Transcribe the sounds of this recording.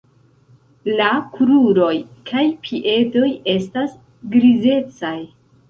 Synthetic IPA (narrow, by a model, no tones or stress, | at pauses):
lakuɾuɾo̞jkʰajpʰiʔe̞do̞je̞stas | ɡɾize̞t͡saj